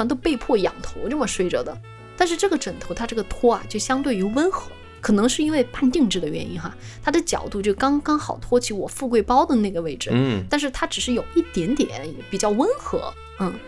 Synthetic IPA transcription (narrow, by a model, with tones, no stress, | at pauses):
ɑ˥ŋt̪o˥˧pe˥˧ɪpʰwɔ˥˩jɑ̰˨˩ŋt̪ʰo˧˥ʊʈ͡ʂɤ˥˩mə˩ʂwe˥ɪʈ͡ʂɤ̰˧˩d̪ə˨ | t̪a˥˧nʂɻ̩˥˧ʈ͡ʂɤ˥˩ɡə˩ʈ͡ʂə˨˩ŋt̪ʰo˧˥ʊt̪ʰa˥ʈ͡ʂɤ˥˩ə˩t̪ʰwɔ˥ɐ̰˨t͡ɕjo˥˩ʊɕjɑ˥ŋt̪we˥˩ɪy˧˥wə˥nxɤ˧˥ | kʰɤ˨˩nɤ˧˥ŋʂɻ̩˥˩i˥nwe˥˧ɪpa˥˧nt̪i˥˧ŋʈ͡ʂɻ̩˥˩d̪ə˩ɥɛ˧˥ni˥nxa̰˧ | t̪ʰa˥d̪ə˨t͡ɕjɑ̰˨˩ʊt̪u˥˧t͡ɕjʊkɑ˥ŋkɑ˥ŋxɑ˨˩ʊt̪ʰwɔ˥t͡ɕʰi˧˥wɔ˨˩fu˥˧kwe˥˩ɪpɑ˥ʊd̪ə˨na˥˩ɡə˩we˥˩ɪʈ͡ʂɻ̩˥˩t̪a˥˧nʂ̬ɻ̩˥˩t̪ʰa˥ʈ͡ʂɻ̩˨˩ʂɻ̩˥˩jo˨˩ʊi˥˩t̪jɛ˧˥nt̪jɛ̰˨˩˦npi˨˩t͡ɕjɑ˥˩ʊwə˥nxɤ̰˧˥ | n̩˥˩